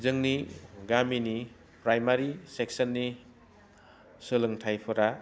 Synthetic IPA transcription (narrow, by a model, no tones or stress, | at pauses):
zɯŋniɡamini | pɾajmaɾiseksənːi | sɯlɯŋtʰajpʰɯɾa